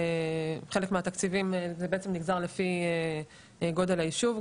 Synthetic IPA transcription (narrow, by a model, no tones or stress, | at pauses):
χe̞lekmeat̪akt͡sivimzebeet͡semniɡzaʁlefie | ɡo̞d̪elaiʃuv